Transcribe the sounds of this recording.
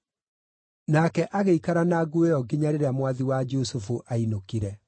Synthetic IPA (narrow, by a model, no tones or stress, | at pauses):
nakɛʔaɣeikaɾanaɡuejɔɡeɲaɾeɾɛamwaðiwad͡ʒosufuʔainokiɾɛ